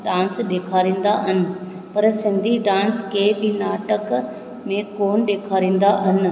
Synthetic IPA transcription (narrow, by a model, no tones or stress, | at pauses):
ɖãːnsɗeːkʰaːɾĩːn̆d̪aɦɐnɪ̆ | pɐɾsɪ̃nd̪ʱiɖãːnskeːbinaːʈək | mẽkoːnɗeːkʰaːɾĩːn̆d̪aɦɐnɪ̆